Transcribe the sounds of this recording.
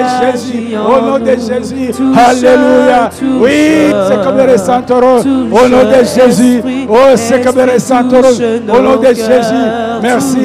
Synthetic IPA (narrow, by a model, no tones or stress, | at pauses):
ʒezyonɔ̃d̪eʒezyhalelujawisekɔbeɾesɛ̃t̪oɾõonɔ̃d̪eʒezyosekɔbeɾesãt̪oɾõonɔ̃d̪eʒezymɛʁsi